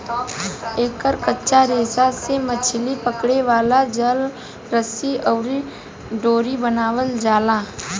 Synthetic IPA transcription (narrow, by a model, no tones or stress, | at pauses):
eːkəɾkətːʃaɾeːsasemət͡ʃʰlipəkɽeʋaːlad͡ʒəl | ɾəsiɔːɾi | ɖoːɾibənaːwəld͡ʒaːlaː